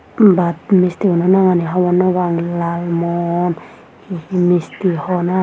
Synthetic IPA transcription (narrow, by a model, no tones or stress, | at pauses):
bat̪̚mist̪iunɔnaŋaniɦawɔnɔβaŋlalmɔn | kihimist̪ihɔna